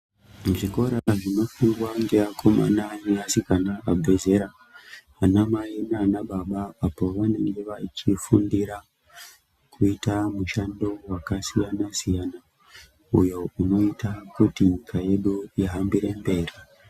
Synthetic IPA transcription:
ʐiko̞ɾaʐino̞fuŋɡwaŋɡeakʰo̞ma̰naneasikanaabʱeze̞ɾa | anamainanaɓaɓaapo̞ʋane̞ŋɡe̞ʋait͡ʃifundiɾa | kʰuitamuʃando̞wakasijanasijana | ujo̞uno̞itakutiɲikʰaje̞ɗujaɦambiɾe̞mbe̞ːri

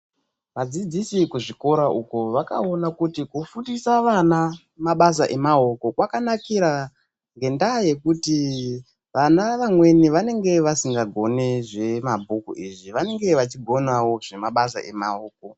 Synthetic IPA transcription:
ʋad͡zid͡zisikuʐiko̞ɾaʔukoʋaka̰o̞nakutikufutisaʋana | maɓas̬aʔe̞maoko̞kwakanakiɾa | ŋɡe̞ndaje̞kuti | ʋanaʋamwe̞niʋane̞ŋɡe̞ʋasiŋɡaɡʱo̞neʐe̞mabʱukṵʔiʐiʋane̞ŋɡe̞ʋat͡ʃiɡʱo̞nawo̞ʐ̥e̞maɓasa̰ʔe̞maoːk̚o̞

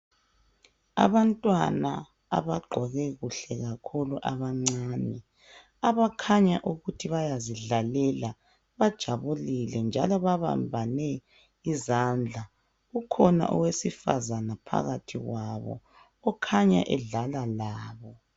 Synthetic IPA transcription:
a̰βantʼwana | a̰βaɡ͡ǃʱɔɣɛɣuɬɛɣakʰuluʔa̰βaŋ͡ǀaːnɛ | aβakʰaɲaʔuɣutʰiβajaziɮalɛla | βad̥ʒ̥ʱaβulilɛnd͡ʒʱalɔβaβa̰mbʱanɛ | izand͡ɮʱa | ɣukʰɔna̰ʔɔ̰wesifa̰zanapʰa̰ɣatʰiɣwaβɔ̰ | ɔkʰaɲa̰ʔɛɮalalaːβɔ

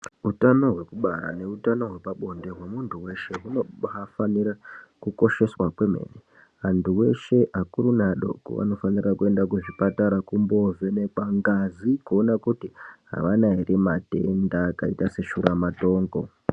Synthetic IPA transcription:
ɦutano̞ɦwe̞kuɓaɾa̰ne̞utano̞ɦwe̞paɓo̞nde̞ɦwe̞muntʰuwe̞ʃe̞ɦunoafanirakuko̞ʃe̞swakwe̞me̞̰ːne | antuwe̞ʃe̞ʔakuɾunaɗo̞̰ko̰ʋa̰no̞fanirakue̞ndakuʐipataɾakumbo̞ve̞nekwaŋɡazikuonakutiɦa̰ʋanaɦiɾimate̞ndakaitase̞ʃuɾamato̞ːŋɡo̞

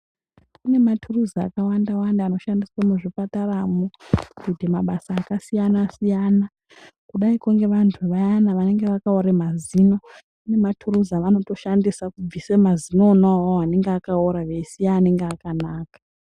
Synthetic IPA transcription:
une̞matʰuruzaa̰kawandawandaːno̞ʃandiswamuʐipataramukutimaɓasaːkasijanasijana | kuɗaikuŋɡe̞ʋantʰuʋajanaʋane̞ŋɡeʋakaoɾemazino | une̞matʰuruzaʋano̞to̞ʃandisakub͡visemazino̞nawoane̞ŋɡeakaoɾaʋesiaːne̞ŋɡeakanaːkḁ

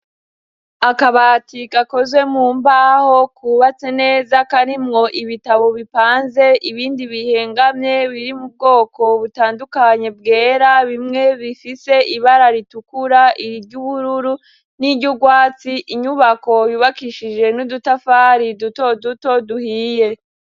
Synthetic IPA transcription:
akaβatikako̞zwe̞muːmbaːho̞kʰuβat͡se̞ne̞ːzakaɾimŋo̞ʔiβitaβo̞βipaːnze̞ʔiβiːndiβihe̞ːŋɡamɲe̞βiɾimub̚ɡo̞ːko̞βutaːndukaɲe̞b̚ɡe̞ːɾaβimŋe̞βifise̞ʔiβaɾaɾitukuɾaʔiɾiɟuβuɾuɾu | niɾɟuɡwaːt͡siʔiɲuβako̞juβakiʃid͡ʒe̞nudutafaːɾidutoduto̞duhije̞

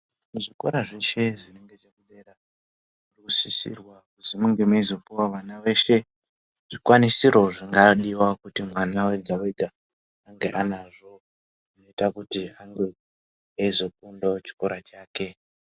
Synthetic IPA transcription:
muʐiko̞̰ɾaʐeʃe̞ʐine̞ŋɡe̞ʐekuɗera | urusisḭrwakuzimuŋɡemeizopiwaʋanawe̞ʃe̞ | ʐ̥ikwanisiɾo̞ʐiŋɡaɗiwakutimwanawe̞ɡʱaweɡʱaː | ŋɡe̞̰ʔanaʐo̞ | ino̞itakutiaŋɡe̞ | ezo̞k̚undot͡ʃi̥ko̞ɾat͡ʃaːke̞

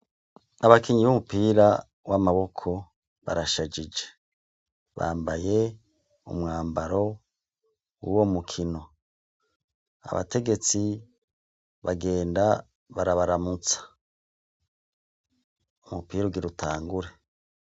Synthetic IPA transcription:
aβakiɲiβumupiːɾa | wamaβo̞kʰo̞ | βa̰ɾaʃad͡ʒid͡ʒe̥ | βa̰ːmbaje̞ | ṵmŋaːmbaɾo̞ | wṵwomukʰino̞ | a̰βa̰te̞ɡe̞t͡si | βaɡe̞ːnda | βaɾaβaɾamut͡sḁ | umupiːɾoɡiɾutʰa̰ːŋɡuɾe̞

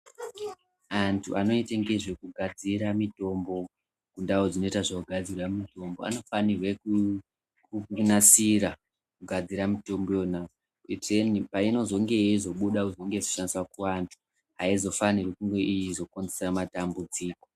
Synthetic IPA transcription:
antʰṵano̞iteŋɡe̞ʐekuɡʱad͡ziɾamito̞mbo̞ | kundaod͡zino̞itaʐouɡʱad͡zirwamito̞mbo̞̰a̰no̞fanirweku | kunasiɾa | kuɡʱad͡ziɾamito̞mbojona | irenipaino̞zo̞ŋɡe̞zo̞ɓuɗauzoŋɡezoʃandiswakuantʰu̥ | ɦaizo̞fanirwekuŋɡe̞ʔijizo̞konzesamatambud͡ziːko

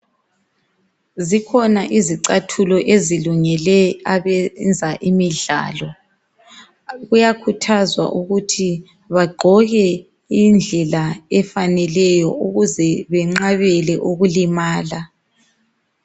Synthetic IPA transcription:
zikʰɔnaʔiziǀatʰulɔʔeziluŋɛlɛaβɛnd͡zʱaʔimiɮa̰ːlɔ | ɣujakʰutʰazwa̰ʔuɣutʰi | βaɡ͡ǃʱɔɣɛ | ind͡ɮʱɛlaɛfanɛlɛjɔuɣuzɛβɛŋ͡ǁaβɛlɛʔuɣulimaːla

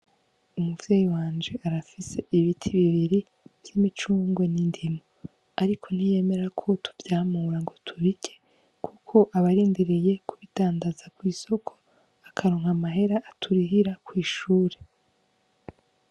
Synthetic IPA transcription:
umuvjeːjiwaːnd͡ʒe̞ʔaɾafise̞ʔiβitʰiβiβiɾi | v̥jimit͡ʃuːŋɡwo̞nindimo | aɾikʰo̞n̥ije̞me̞ɾakʰo̞tʰu̥vjaːmuɾaŋɡo̞tʰuɾikʰe̞ | kʰukʰo̞ʔaβaɾiːndiɾije̞kʰuβidaːndazakwiːso̞kʰo̞̥ | akʰaɾo̞ːŋhamaɦe̞ɾaʔːtʰuɾiɦiɾakwiːʃuːɾe̞

